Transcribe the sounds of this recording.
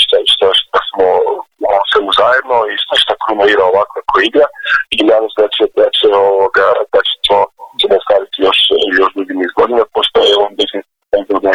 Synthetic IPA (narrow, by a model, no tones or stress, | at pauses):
ʃt̪aʃt̪aʃt̪asmooseuzaːjed̪noiʃt̪eʃt̪akɾunoiɾaoʋakoakʰoiɡɾaid̪anosdet͡ʃiepɾet͡ʃeoʋoɡad̪at͡ʃe̥t̪ʰot͡ʃemost̪ɾaːɾit̪ijo̞ʃjo̞ʃd̪ɾuɡinizɡod̪inapost̪ojeonbiznis | ozod̪a